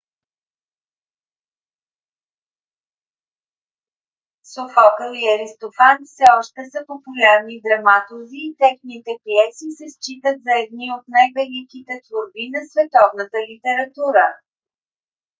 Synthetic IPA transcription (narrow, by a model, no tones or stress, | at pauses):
sofɔkəliɐɾist̪ofanfsɛɔʃt̪ɛsəpopulʲaɾnid̪ɾɐmat̪ʊziːt̪ɛxnit̪ɛpiɛsisɛst͡ʃit̪ət̪zɐɛd̪niot̪najvɛlikit̪ɛt̪voɾbinɐsvɛt̪ɔvnət̪əlit̪ɛɾɐt̪uɾə